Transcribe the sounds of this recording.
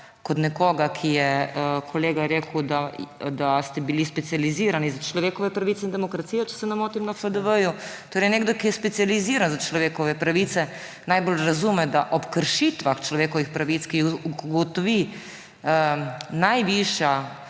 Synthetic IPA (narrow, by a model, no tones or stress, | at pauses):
kot̪nɛkoːɡakʰijɛkʰoleːɡaɾeːkuwd̪ad̪ast̪ɛbilispɛt̪sijaliziːɾanizat͡ʃlɔʋeːkɔʋɛpɾaʋit̪sɛind̪ɛmokɾat̪sijɛt͡ʃɛ̥sɛnɛmoːt̪imnafəd̪əʋəjut̪oːɾɛjneːɡd̪okijɛspɛt̪sializiːɾanzat͡ʃlɔʋeːkɔʋɛpɾaʋiːt̪sɛ | najbolɾazumɛd̪aʔɔpkəɾʃit̪ʋaxt͡ʃlɔʋeːkɔʋixpɾaʋit̪skiuɡɔt̪ɔʋi | ənajʋiʃja